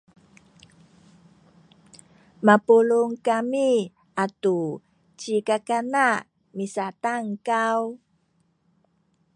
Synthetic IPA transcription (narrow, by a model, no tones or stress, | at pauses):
mapuluŋkami | ʔatu | t͡ɕikakana | misataŋkaw